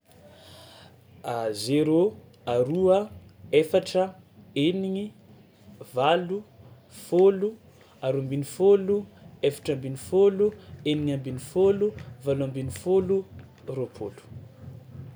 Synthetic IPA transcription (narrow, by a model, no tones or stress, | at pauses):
azeɾo | aɾuəefaʈ͡ʂəeniŋi | valu | folu | aɾuambinifoluefḁʈ͡ʂambinifolueniɲambinifoluvaluambinifolu | ropʰolu̥